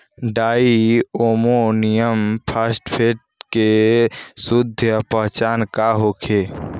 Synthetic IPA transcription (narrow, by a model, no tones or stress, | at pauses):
ɖaːioːmonijəmpʰaːsʈpʰeːʈ̚ | ke | sʊd̪ʱjəpəɦt͡ʃaːnkaɦoːkʰeː